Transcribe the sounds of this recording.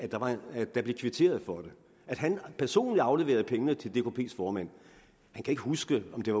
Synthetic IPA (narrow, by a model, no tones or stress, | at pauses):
æd̥ɑ̈ʋɑ̈d̥ɑ̈b̥le̝kʰʋit͡sʰe̝̰ːɐð̞̩ˠfɒ̽d̥e̝ | æd̥ɦænpʰæɐso̝̰ːnliɑ̈ʊle̝ʋe̝̰ɐð̞̩ˠpʰeŋənət͡sʰe̝ld̥ekʰo̝pʰe̝̰ːsfɒːmæn̰ | hænkʰæe̝ɡ̥əhusɡ̥əɒ̽md̥e̝ʋɑ